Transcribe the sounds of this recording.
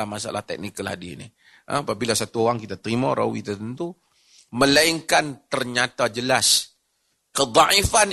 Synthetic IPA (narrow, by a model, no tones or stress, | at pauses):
ahmasa̰lʔa̰ht̪ɛk̚nikəla̰dinḭ | ʔə̰̃apabilasat̪uoɣaŋkit̪at̪əɾimaɾa̰wḭt̪ət̪ənt̪u | mə̃laiŋkant̪ərɲat̪ad͡ʒəlas | kəd̪ˤɑifan